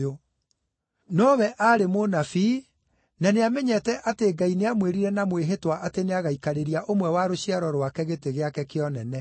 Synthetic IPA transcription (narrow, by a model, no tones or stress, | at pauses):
o | nɔβɛʔaɾemonafiː | naneamɛɲɛtɛʔateːɡaineamweɾiɾɛnamweɦetwaʔateneaɣaikaɾeɾiaʔomwɛwaɾoɕiaɾɔɾwakɛɣeteɣeakɛkeɔnɛnɛ